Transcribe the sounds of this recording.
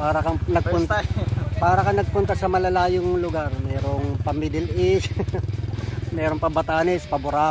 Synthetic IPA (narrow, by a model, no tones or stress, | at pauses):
paːɾɐkɐnɐɡ̚pʊnt̪paːɾɐkɐnɐɡ̚pʊnt̪ɐsɐmɐlɐlaːjoŋlʊɡaɾmɛːɾoŋpɐmɪd̪ɛlɪs | mɛːɾoŋpɐbɐt̪aːnɛspɐbʊɾaː